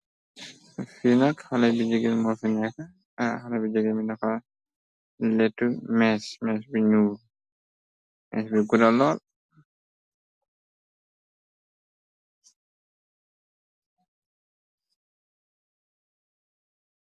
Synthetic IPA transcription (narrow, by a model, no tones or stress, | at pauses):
finɐkxɐlɐjbid͡ʒəɡɛlmɔfinɛkːɐ | xɐlɐbid͡ʒəɡɛminɐxɐ | lɛtːumɛːsmɛːsbiɲuː | mɛ̰sbiɡudɐlɔːl